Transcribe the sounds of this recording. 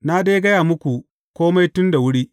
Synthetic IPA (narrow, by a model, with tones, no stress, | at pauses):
na˦deː˦ɡɐ˦jaː˨mʊ˦kʷu˨ | kʷoː˦ma˦jtʊ˦nda˨wʊ˦ɽiː˦